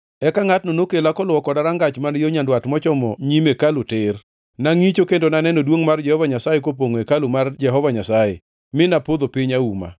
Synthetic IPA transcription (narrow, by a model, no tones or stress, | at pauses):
ɛkaŋatnonokelakɔlwɔkɔdaɾaŋɡat͡ʃmanjoɲandwatmɔt͡ʃɔmɔɲimekalotɪr | naŋit͡ʃokendonanɛnodwoŋmard͡ʒɛhɔvaɲasajekopoŋoekalomard͡ʒɛɦɔvaɲasajḛ | mɪnapod̪opiɲauma̰